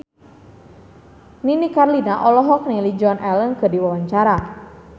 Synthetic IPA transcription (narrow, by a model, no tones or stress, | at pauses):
ninikarlinaʔɔlɔɦɔk̚nilid͡ʒɔnʔɛlənkɨrdiwawaɲt͡ʃaɾa